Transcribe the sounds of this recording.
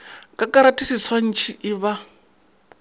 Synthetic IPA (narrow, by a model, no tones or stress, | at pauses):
kʼakaɾatʼisisʰwan̩t͡ʃʰiʔiβa